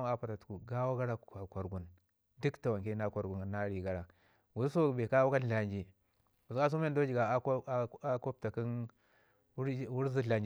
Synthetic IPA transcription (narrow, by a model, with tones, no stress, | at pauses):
a˦pa˨ta˨tu̥˨ku˨ɡa˦wa˦ɡa˦ɾa˦˨a˨kʷa˨ɾɡu˨n | du˦kta˨wa˨ŋke˦na˦ka˨ɾɡu˨n˨na˦ɾi˨ɡa˦ɾa˨ | wu˨sso˦˨be˨ka˦wu˦ka˦n˦ɬa˨nd͡ʒi˨ | wu˨ska˦s̬u˦m˦e˦ndo˦d͡ʒi˨ɡa˨˦a˦ko˦p̚ta˨ki˦n˦ | wu˦ɾzi˦ɬa˨ɲd͡ʒ